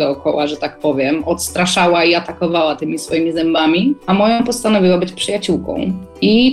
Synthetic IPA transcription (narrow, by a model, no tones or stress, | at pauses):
d̪ɔːkɔwaʐɛt̪ak̚pɔvʲjɛmɔt̪st̪ɾaʂawaiat̪akɔvawat̪ɘmʲisfɔjimʲizɛmbamʲiamɔjɔ̃pɔst̪anɔvʲiwabɘt͡ɕpʂɨjat͡ɕuwkɔ̰̃w̃ | i